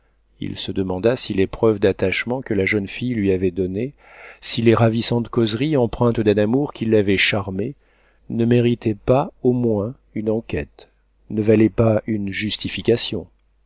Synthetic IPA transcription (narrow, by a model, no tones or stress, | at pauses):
ḭlsəd̪əmɑ̃d̪asilepχœvd̪at̪aʃmɑ̃kəlaʒənfijlɥiavɛd̪ɔne | sileʁavisɑ̃t̪kɔzʁiɑ̃pχɛ̃t̪d̪ɛ̃namuʁkʲilːavɛʃaʁme | nəmeʁit̪ɛpaomwɛ̃ | ynɑ̃kʲɛ̰t̪ | nəvalɛpaynʒyst̪ifikʲasjɔ̰̃